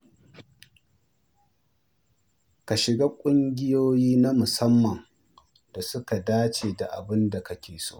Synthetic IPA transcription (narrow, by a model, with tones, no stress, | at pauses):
ka˨ʃɪ˨ɡa˦kʷʼʊ˦ŋɡʲɪ˦joː˦jiː˦na˦mʊ˨sɐ˦mːɐ˨ŋ | da˨sʊ˦ka˨daː˦t͡ʃeː˨da˨ʔa̰˨bɪ˦nda˨kɐ˦kʲeː˨so̰ː˦